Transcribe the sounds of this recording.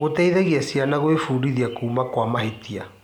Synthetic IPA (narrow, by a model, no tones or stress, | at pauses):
ɣotɛiðeɣiasianaɣoefuːɾiðiakuːmakwamaɦetia